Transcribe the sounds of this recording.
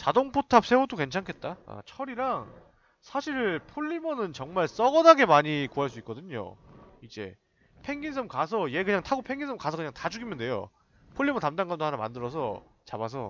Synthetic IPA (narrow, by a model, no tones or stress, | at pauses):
t͡ɕadoŋpʰotʰap̚s͈ʰe̞odoke̞nt͡ɕʰankʰe̞t̚t͈aa̰t͡ɕʰʌɾiɾaŋ | sʰaɕʰiɭpʰoʎːimʌnɯnt͡ɕʌŋmaɭs͈ʌɡʌnaɡe̞maɲikuɦaɭs̬͈uik͈ʌdɯɲo̰id͡ʑe̞̰ | pʰe̞ŋɡins̬ʰɯmkas̬ʰʌje̞kɯɲaŋtʰaɡopʰe̞ŋɡinsʰɯmkasʰʌkɯɲaŋtad͡ʑuɡimɯnde̞jo̰ | pʰoʎːimʌntamdaŋɡamndohanama̰ndɯɾʌs̬ʰʌ̰ | t͡ɕabas̬ʰʌ̰